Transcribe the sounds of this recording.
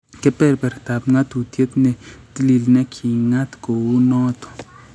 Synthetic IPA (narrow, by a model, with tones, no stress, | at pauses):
ke˦pɛ˦ɾpɛ˨ɾt̪a˨pŋa˦t̪u˨t̪je˦t̪ne˦t̪i˦li˨lne˦kʰi˨ŋa˦t̪ko˨wu˦nɔː˦t̪o̥˨